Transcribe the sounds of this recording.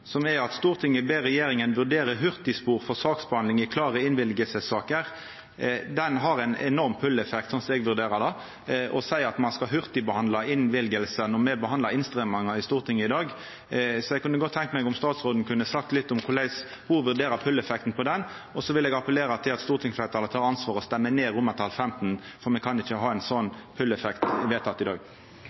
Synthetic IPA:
sɔmɛɑt̪st̪uːɾt̪ʰɪŋːəbeːɾɛjeːɾɪŋənʋʉʁd̪eːɾəɦʉɾt̪ɪspuːʁfɔʁsɑːksbəɑnd̪ɪŋɪkʰlɑːʁəɪnʋɪlɡəsəsɑːkəʁ | d̪ɛnɦɑɾæɪnɛ̰nɔʁmpʰʉlɛfɛk̚t̪sɔnsɔɛɡʋʉɾd̪eːɾəd̪ɑ | ʔɔ̰sæɪɑt̪mɑnskɑɦʉʁt̪ɪbəhɑnd̪lɑɪnʋɪlɡəlsənɔmɛbəhɑnd̪ɑɪnst̪ɾɛmɑŋɑɪst̪uːʁt̪ʰɪŋːəɪd̪ɑːɡ | sɔɛɡkʰʉnːəɡɔt̪ʰːɛŋk̪əmɛɪɡʊmst̪ɑːt̪sʁoːd̪n̩kʰʉnːəsɑk̚t̪lɪt̪ːʊmkʰʊlæɪs | hʊɾʋʉɾd̪eːɾəpʰʉlːɛfɛkt̪n̩pʰɔd̪ɛn | ɔsɔʋɪlɛɡɑpəleːɾɑt̪ʰɪlɑt̪st̪uːɾt̪ʰɪŋsflæɪt̪ʰɑlət̪ʰɑːɾɑnsʋɑːɾɔst̪ɛmːəneːɾʊmːət̪ʰɑlfɛmt̪n̩ | fɔɾmɛkʰɑnɪt͡ʃːəɦɑːɛɪnsɔnːpʰʉlɛfɛkt̪ɪʋeːt̪ʰɑt̪ːɪd̪ɑ̰ːɡ

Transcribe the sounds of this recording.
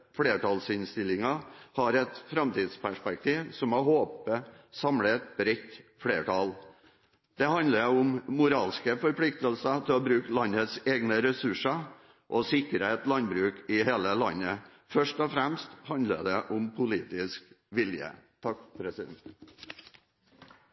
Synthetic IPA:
fɽeːʈɑlsɪnst̪ɪlɪŋɑhɑɾɛt̪fɾɑmt̪iːd̪spʰæʂpɛk̚t̪ʰiːʋsɔmɑhoːpəsɑmlət̪̚bɾɛt̪ːfɽeːʈɑl | d̪̥ɛhɑnd̪ləɾʊmmʊɾɑːlskəfɔɾpʰlɪkt̪əlsət̪ʰɪlɔbɾʉːklɑnːət̪seːɡnəɾɛsʉʂə | ʔɔsɪkɾəɛt̪lɑnbɾʉːkɪɦeːləlɑ̰nːə | fœʂʈɔfɾæmst̪hɑnd̪lə̰d̪ɛʔʊmpʰʊliːt̪ɪsk | ʋɪljə̰t̪ʰɑk̚pʰɾɛsɪd̪ɛ̰nt̪

